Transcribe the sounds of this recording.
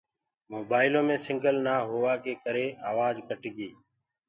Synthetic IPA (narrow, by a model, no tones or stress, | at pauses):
moːbaːɪlõːmẽːsɪ̃ŋɡəlnaːɦoːʋaːkeːkəɾeːaːʋaːd͡ʒkəʈɪɠiː